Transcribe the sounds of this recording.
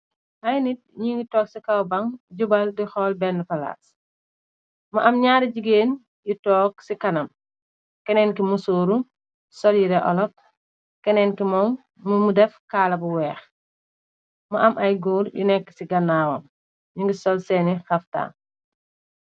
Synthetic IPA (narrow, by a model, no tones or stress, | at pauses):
hɐjnit̚ɲiŋɡitɔːk̚sikɐwbɐŋɟubɐldixɔlbɛnːəfɐla̰ːs | mɐʔɐmɲaːɾiɟiɡeːn | jutɔːk̚sikɐnɐm | kɛnɛnkimusoːɾu | sɔljiɾɛʔɔ̰lɔk̚ | kɛnɛnkimɔmː | umudɛfkaːlɐbuwɛːx | muʔɐmʔɐjɡuːɾjṵnɛkːsiɡɐnːaːwɐm | ɲiŋɡisɔlsɛːnixɐfta̰ː